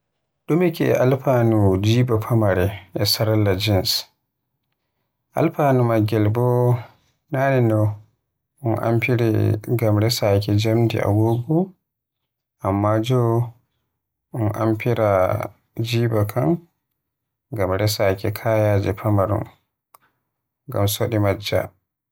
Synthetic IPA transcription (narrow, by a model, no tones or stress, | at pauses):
ɗumɛkɛɛ̰ʔalpanud͡ʒiːbapʰamaɾɛʔɛsaɾalːad͡ʒins | ʔa̰lpaːnumaɡɛlbɔ | naːnɛndɔ | ʔunʔa̰mpiɾɛ̰ɡamɾɛsakɛd͡ʒamdḭʔa̰ɡoɡɔ | ʔamːad͡ʒɔ | unʔa̰mpiɾa | d͡ʒiːbakʰan | ɡamɾɛsakɛkʰaːjad͡ʒɛpʰamaɾɔ̰n | ɡamsoɗimad͡ʒːa̰